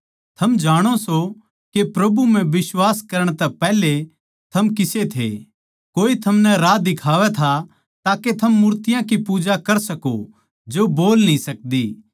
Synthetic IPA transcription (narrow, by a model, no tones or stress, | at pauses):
t̪ʰɐmd͡ʒaːɽ̃oso | kepɾɐbumɛ̃bɪswaːskɐɾəɽ̃t̪ɛpɛːɦle | t̪ʰɐmkɪset̪ʰḛ | koːit̪ʰɐmnɛɾaːd̪ɪkʰaːʋɛt̪ʰa | t̪aːket̪ʰɐmːuːɾt̪ɪjãkipuːd͡ʒakɐɾsɐko | d͡ʒoboːlnĩsɐk̚d̪iː